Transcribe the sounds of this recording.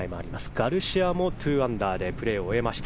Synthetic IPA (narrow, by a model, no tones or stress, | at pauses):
imoa̰ɾʲimasɨ̥ɡ̥aɾɯ̟ɕiamo̞t̪ʰɯːãnd̪aːd̪e̞pɯ̟ɾe̞ːoe̞maɕi̥t̪